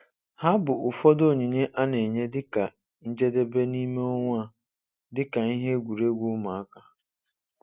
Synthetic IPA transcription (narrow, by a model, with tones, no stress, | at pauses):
ha˦bʊ˨ʊ˨fɔ˦do˦˨ɲi˨ɲe˦ʔa˦ne˨ɲe˦dɪ˦ka˨ | n̩˦d͡ʒe˦de˦be˦ni˦me˦ɔ˦ŋʷa˦ | dɪ˦ka˨i˦ɦe˦ɡʷu˨ɾe˦ɡʷu˦ma˨a˦ka˦